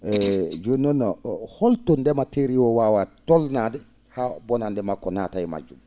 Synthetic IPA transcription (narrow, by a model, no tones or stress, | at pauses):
ɛd͡ʒunɔnːɔhɔltondɛmateɾiwɔwawatɔlnadɛ | habɔnandɛmakɔnatajma̰d͡ʒum